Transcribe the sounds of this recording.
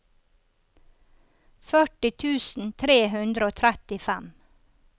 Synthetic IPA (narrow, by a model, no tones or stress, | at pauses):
fœʈɪt̪ʰʉːsn̩t̪ʰɾeːhʉnd̪ɾəoːt̪ʰɾɛt̪ɪfæm